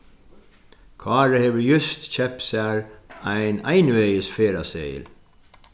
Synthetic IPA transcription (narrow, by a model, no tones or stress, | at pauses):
kʰɑːɹəheːʋəjʏst̪c͡çɛpsæːɹæɪnæɪnʉɛɪəsfeːɾaseɪ̰l